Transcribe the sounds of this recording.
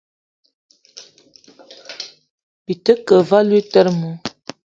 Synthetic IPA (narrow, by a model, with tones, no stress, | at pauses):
pi˨tə˦kə˨va˦lwi˦tə˦ɾmu˨˦